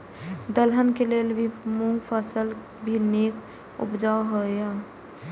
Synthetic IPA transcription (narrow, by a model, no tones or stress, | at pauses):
d̪əlɦənkelelbʱimuŋɡpʰəsəl | bʱinek | ṵpd͡ʒawɦoja